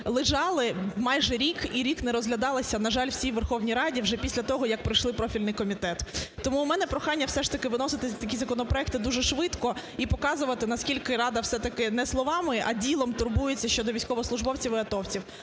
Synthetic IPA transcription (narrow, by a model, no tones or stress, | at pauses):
lˠɪʒɑlˠɪmɑjʒɛɾʲikiɾʲiknɛɾɔzɦlʲɐd̪ɑlˠɪsʲɐnɐʒɑlʲwsʲijʋerxɔwnʲijɾɑdʲiwʐɛpʲisʲlʲɐt̪ɔɦɔjɐk̚pɾɪjʃlˠɪpɾɔfʲilʲnɪjkɔmʲit̪ɛt̪ːɔmumɛnɛpɾɔxɑnʲːɐwsɛʃt̪ɐkɪʋɪnɔsɪt̪ɪt̪ɐkʲizɐkɔnɔpɾɔɛk̚t̪ɪd̪uʒɛʃʋɪt̪kɔipɔkɑzʊʋɐt̪ɪnɐskʲilʲkɪɾɑd̪ɐwsɛt̪ɐkɪnɛslˠɔʋɑmɪʔɐ̰dʲilˠɔmt̪ʊrbujʊt͡sʲːɐʃʲt͡ʃɔd̪ɔʋʲijsʲkɔʋɔɔslˠʊʒbɔwt͡sʲiʋɪɐt̪ɔwt͡sʲiw